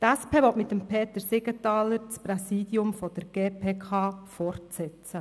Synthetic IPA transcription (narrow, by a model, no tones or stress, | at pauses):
t̪æspʰeːʋɔtmɪt̪ːəmpʰeːt̪əɾsɪɡət̪ɑːləɾt͡spɾɛsiːd̪jʊmfɔd̥əɾɡ̥eːpʰeːkʰɑːfɔrtsɛtt͡sə